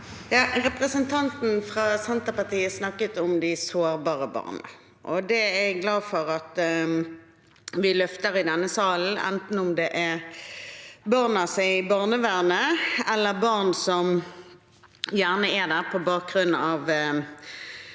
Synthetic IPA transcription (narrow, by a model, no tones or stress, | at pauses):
jɑːʁɛpʁəsənt̪ʰɑnt̪n̩fʁɑːsɛnt̪əpɑt̪iːəsnɑkːət̪ʊmd̪ɪsoːʁbɑːʁəbɑ̰ːʁnə̰ | ʔɔd̪ɛɛɡɡlɑːdfɔʁɑt̪ | ʋɪlœft̪əʁɪd̪ɛnːəsɑːln̩ɛ̰nt̪n̩ʊmd̪ɛʔæ | bɑʁnɑsæɪbɑʁnəʋæːʁnəɛlːəbɑʁnsɔm | jæːʁnəæd̪æːʁpʰɔbɑːk̚ɡʁʉnɑːʋ